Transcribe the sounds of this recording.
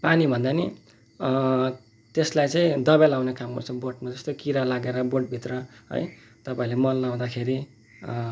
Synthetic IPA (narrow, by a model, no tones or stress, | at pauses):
panibʱʌnd̪ani | t̪eslajt͡sãĩd̪ʌbalawnekamɡʌ̰rt͡sʰʌboʈmad͡zʌst̪okiɾalaɡeɾʌboʈ̚bʱit̪rʌɦʌ̰j | t̪ʌpaĩlemʌlːaw̃d̪akʰeɾi